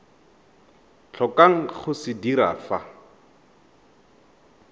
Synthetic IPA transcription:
t͡ɬʰɔkaŋ̩χʊsɪdiɾa̰ːfa

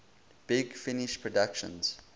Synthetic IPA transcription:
b̥ɪɡfɪnɪʃpʰɹɔdakʃə̰̃nz̥

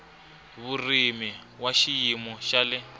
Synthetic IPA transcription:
βurimiwaʃijimɔʃalɪ

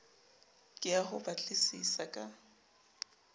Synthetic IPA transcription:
kʼɪaɦʊbat͡ɬʼɪsisakʼa

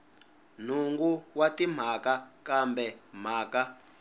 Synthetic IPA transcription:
n̤uŋɡuwatim̤akakambɛm̤aːka

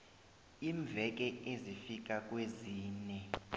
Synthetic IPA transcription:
iɱb̪vʱɛk̬ʼɛʔezifik̬ak̬ʼweziːnɛ

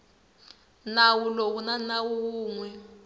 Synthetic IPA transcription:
nawulokunanawuk̬uːŋwɛ

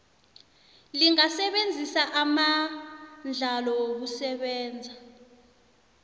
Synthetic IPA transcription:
liŋasɛɓend͡zʱisaʔama | nd͡ɮʱalɔok̬usɛɓɛːnd͡zʱa

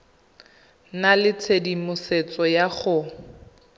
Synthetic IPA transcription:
nalɪt͡sʰedimʊset͡sɔjaχʊ

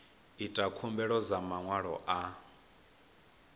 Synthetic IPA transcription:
itʼakʰumbɛɺɔzamaŋwaɺɔ̰ʔa

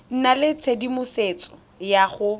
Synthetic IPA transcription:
n̩nalɪt͡sʰedimʊset͡sʼɔ | jaχʊ

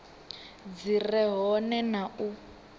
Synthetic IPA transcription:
d͡zirɛɦɔnɛnau

